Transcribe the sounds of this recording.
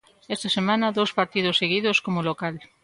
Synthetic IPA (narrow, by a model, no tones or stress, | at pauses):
est̪ɐsemãnɐðowspaɾt̪ið̞osːeɣiðoskomolokal